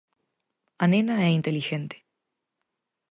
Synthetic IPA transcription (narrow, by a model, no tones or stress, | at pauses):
anenaɛint̪eliʒent̪e̥